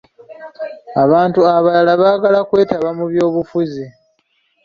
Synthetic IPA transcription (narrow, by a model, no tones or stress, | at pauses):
aβaːntuaβalalaβaːɡalakwe̞ːtaβamuβjo̞ːβufuzi